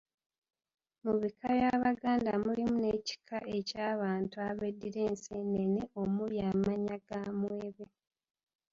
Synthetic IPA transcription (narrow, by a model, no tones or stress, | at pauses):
muβikʰaβjaβaɡaːndamulimune̞ːci̥kʰaʔe̞caːβaːntuaβedːiɾe̞ːnseːnːeneo̞mujaːmaɲaɡaːmweːβe